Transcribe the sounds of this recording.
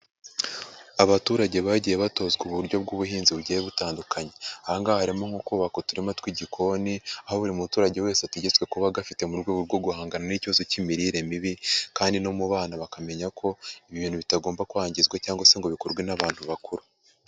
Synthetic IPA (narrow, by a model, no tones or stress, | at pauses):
aβatuːɾaɟe̞βaɟijeβato̞zɡuβuɾɟo̞bɡuːβuhiːnziβuɟijeβutaːndukʰaɲe̞ahaŋɡahaɾimo̞ŋokuːβako̞tuɾimatwiɟikʰo̞niahoβuɾimuutuːɾaɟe̞we̞ːseatuɟet͡swe̞kuβaɡafite̞muɾɡwe̞ːɡuɾɡo̞ɡuhaːŋɡananiciβazo̞cimiɾiɾe̞miβikaːndino̞muβaːnaβakame̞ɲakʰo̞iβiβiːnhuβitaɡo̞ːmbakuaːɲɟizɡwacaːŋɡwase̞ŋɡo̞βikoɾɡwenaβaːn̥huβakuɾu